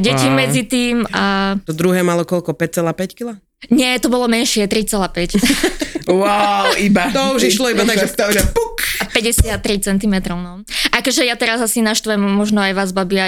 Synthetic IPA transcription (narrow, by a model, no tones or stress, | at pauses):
ɟɛcimːɛd͡zit̪iːmʔat̪ɔd̪ɾuɦɛːmalɔkɔlkɔpɛc̚t͡sɛlaːpɛckila | ɲɛt̪ɔbɔlɔmɛnʃɪɛt̪ɾit͡sɛlaːpɛc | waibat̪ɔuʒiʃlɔibat̪aɡʒɛst̪aɦuʒɛpukapɛɟɛsɪat̪ːɾit͡sɛnt̪̬imɛt̪ɾɔʊnɔ | ʔakɔʒɛjat̪ɛɾazasinaʃt̪ʋɛmmɔʒnɔajʋaːzbabia